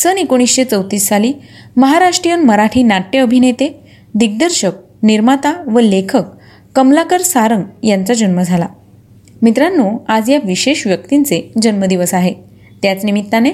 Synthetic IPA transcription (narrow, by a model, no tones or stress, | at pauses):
sənekoɽ̃isɕet͡səwt̪iːsːaliːməɦaɾaʂʈɾijənməɾaʈʰiːnaʈːeəbʱinet̪e | d̪iɡ̚d̪əɾɕək̚ | niɾmat̪aʋəlekʰəkː | əmlakəɾsaɾəŋɡjant͡sad͡ʑənməd͡zʱala̰ | mit̪ɾanːuad͡zjaʋiɕeɕʋjək̚t̪int͡sed͡ʑənməd̪iʋəsaɦe | t̪jat͡snimit̪ːane